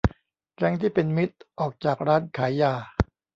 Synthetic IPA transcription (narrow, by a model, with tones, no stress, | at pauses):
kɛ˦˥ŋt̪ʰiː˥˩pe˧nmi˦˥t̪̚ʔɔː˨˩k̚t͡ɕaː˨˩k̚ɾaː˦˥nkʰaː˩˦jaː˧˩